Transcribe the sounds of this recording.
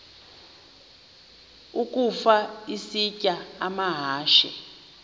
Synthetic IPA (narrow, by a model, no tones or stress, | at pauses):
uk̬ʼufaisicʼaamaɦaːʃɛ̰